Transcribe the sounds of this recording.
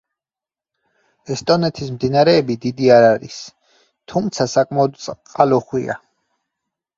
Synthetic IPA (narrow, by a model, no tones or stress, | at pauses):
ɛst̪ʼɔnɛt̪ʰismd̪inaɾɛːbid̪id̪iaɾaɾḭs | t̪ʰumt̪sʰasakʼmaɔd̪t̪sʼqʼalɔχwḭa̰